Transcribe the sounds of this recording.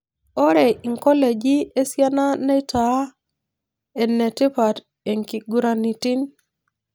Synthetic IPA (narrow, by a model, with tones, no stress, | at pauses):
o˦ɾɛ˨ʔi˨ŋkɔ˦le˨d͡ʒi˦e˦sja˦na˦nɛ˦ta˦ | ɛ˨nːɛ˨ti˦pa˨ɾ | e˨ŋki˨ɡu˨ɾa˨ni˨ti˦n